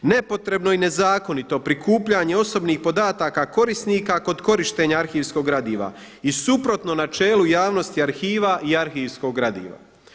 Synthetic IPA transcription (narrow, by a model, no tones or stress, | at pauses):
ne̞po̞t̪ɾe̞bno̞ine̞zaːko̞nit̪o̞pɾikuːpʎaɲe̞o̞so̞bniːxpo̞d̪aːt̪akako̞ɾisniːkako̞d̪ko̞ɾiʃt̪e̞ɲaaɾxiːʋsko̞ɡɾad̪iːʋa̰ | isupɾo̞t̪no̞nat͡ʃe̞ːlujaːʋno̞st̪iaɾxiːʋaʔiaɾxiːʋsko̞ɡɾad̪ḭːʋa̰